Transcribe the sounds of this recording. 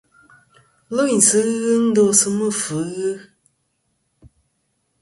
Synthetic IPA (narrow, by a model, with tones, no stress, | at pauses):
lo˦i˨n̩˨sɨ˨˦ɣɨ˦n̩˦do˦sɨ˦mɨ˦˨fɨ˨˦ɣɨ˦